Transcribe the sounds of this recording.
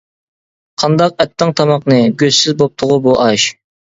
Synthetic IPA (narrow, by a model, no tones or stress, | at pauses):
qʰɑnd̪ɑq̚ɛt̪ːɨŋt̪ʰɑmɑqnɨɡʲøzsɪzbop̚t̪ʰʊʁʊbuʔɑʃ